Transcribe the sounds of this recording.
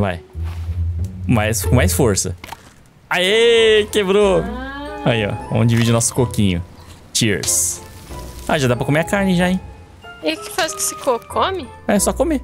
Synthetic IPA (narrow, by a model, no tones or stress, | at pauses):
va̰j | majskõmajsfoɾsɐ̰ | aikebɾo | aiɔ̰õ̰d͡ʒɪvid͡ʒɪʊnɔsʊ̥kokĩɲʊ̰t͡ʃiɾs | aʒad̪apɾɐkomeɐkaɾnɪʒai | eʊkɪ̥fazkɪ̥sɪkokʰõmɪɛsɔkome